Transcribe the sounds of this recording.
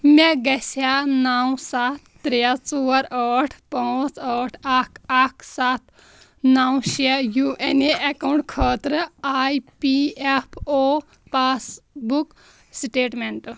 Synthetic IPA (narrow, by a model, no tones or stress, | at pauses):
mʲeɡɐsanawsat̪ʰːɾjat͡suːɐɾəːʈʰpãːt͡səːʈʰakʰakʰsaːt̪̚ʰ | nawʃejuʔeneʔɐkawɳʈkʰəːt̪ɾɨaːjpiepʰoː | paːsbuk | sʈeːʈmeɳʈ